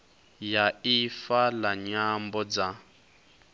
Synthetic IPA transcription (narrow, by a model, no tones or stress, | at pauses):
jaifalaɲambɔd͡za